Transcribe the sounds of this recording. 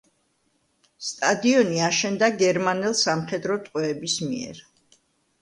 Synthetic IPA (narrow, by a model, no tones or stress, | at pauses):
st̪ʼad̪iɔniaʃɛnd̪aɡɛɾmanɛlˠsamχɛd̪ɾɔt̪ʼqʼwɛːbismiɛ̰ɾ